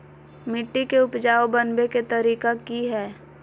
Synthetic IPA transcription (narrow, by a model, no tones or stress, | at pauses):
mɪʈːikeʊpd͡ʒaːobɐnbeket̪ɐɾiːkakiɦɛː